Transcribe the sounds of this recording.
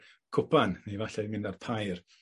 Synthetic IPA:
kʰʊpʰanːevaɬɛdmɪndarpʰajr

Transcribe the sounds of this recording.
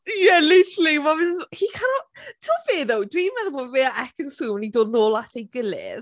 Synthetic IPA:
jɛlɪtəɾəl̩ˠimɔvɪnhikʰaɾɔtʰoːfeːðowdwiːmɛðɔboːdveaɛkʰənsuːmənidoːdnoːlˠatʰejɡəlɪ̰ð

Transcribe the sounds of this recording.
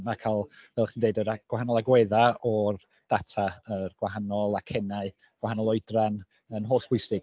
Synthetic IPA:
nakʰalˠvɛlˠχindejdəɾaɡ̥wahanɔlˠaɡwɛðaɔr | d̥atʰaərɡ̥waɦanɔlˠakʰɛnaɨ | ɡ̥wahanɔlˠɔɨdran | ənɦoːsb̥ʰʊɨsɪɡ̥

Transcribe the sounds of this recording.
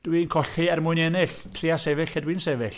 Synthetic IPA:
d̥winkʰɔɬiɛrmʊɨnɛnɪɬ | tʰriasɛvɪɬadwinsɛvɪɬ

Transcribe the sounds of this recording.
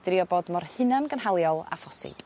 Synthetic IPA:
d̥riɔbɔdmɔrhɨnanɡənhalˠjɔlˠa̰fɔsḭ

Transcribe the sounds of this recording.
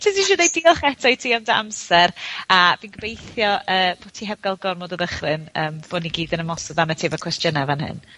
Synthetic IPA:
tʰɪsiʃuðejdiɔlˠχɛtʰɔjtʰiːɔmdaʔamsɛɾaviːnɡəbejθjɔʔəːb̥oːtʰiɦɛvɡalˠɡɔrmɔdəðəχrɨnəːmv̥oːniɡiːdənəmɔsɔðanətʰeːvəkʰwɛstjənɛvanhɨ̰n

